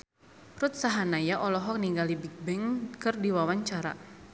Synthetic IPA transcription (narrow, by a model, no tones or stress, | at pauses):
rut̪̚saɦanajaʔɔlɔɦɔk̚niŋɡalibik̚bɛŋkɨrdiwawaɲt͡ʃaɾa̰